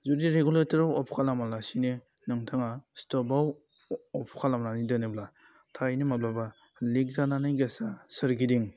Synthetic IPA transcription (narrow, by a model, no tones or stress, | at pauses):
zudiɾeɡuletɐɾawɔpʰkʰalamalasini | nɯŋtʰaŋastɔbaw | ɔpʰkʰalamnanidɯnibla | tʰajnimablaba | lik̚zananajɡesasɯɾɡidiŋ